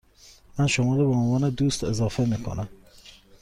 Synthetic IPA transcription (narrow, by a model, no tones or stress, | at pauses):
mænʃomɔːɾɔbeonvɑːned̪ust̪ezɑːfemikʰo̰næm